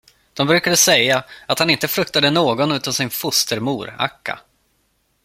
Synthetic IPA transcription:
d̪̥ɔmbɾʉ̟kad̪əsɛjːaat̪hanɪnt̪əfɾɵk̚t̪ad̪ənoːɡɔnʉ̟ːt̪ansɪnfʊst̪əɾmuːɾa̰kːa̰

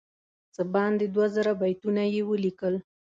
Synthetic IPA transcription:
t͡səbɑnd̪ed̪wazəɾabajt̪unajewəlikəl

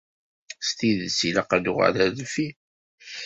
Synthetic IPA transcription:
st̪iðsilɑqanuʁə̰ɾæðfi

